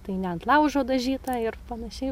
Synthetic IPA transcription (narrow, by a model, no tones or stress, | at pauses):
t̪ɐɪnʲɛɐnt̪lˠɐʊʒoːd̪ɐʒʲiːt̪ɑɪrpɐnɐʃʲɛɪ